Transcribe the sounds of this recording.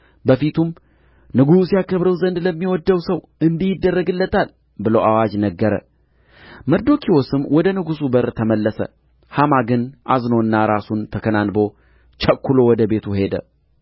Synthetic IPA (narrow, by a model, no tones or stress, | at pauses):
bəfit̪ʰum | nɨɡusjakːəβɾəwzənd̪ləmːiwɔd̪ːəwsəw | ɨnd̪ijɪd̪ːərːəɡɨlːət̪ʰal | bɨləwawad͡ʒnəɡːəɾə̰ | məɾd̪o̞kʰiwosɨmːwɔd̪ənɨɡusubəɾt̪ʰəməlːəsə̰ | hamaɡɨnʔazno̞ɨnːaɾasunt̪ʰəkʰənanbo̞ | t͡ʃʰəkːulo̞wɔd̪əbe̞t̪ʰuhe̞d̪ə̰